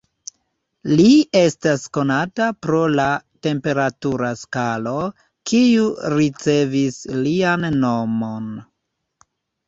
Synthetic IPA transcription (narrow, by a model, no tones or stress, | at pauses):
lie̞stasko̞natapɾo̞late̞mpe̞ɾatuɾaskalo̞ | kʰiuɾit͡se̞vislianːo̞mo̞n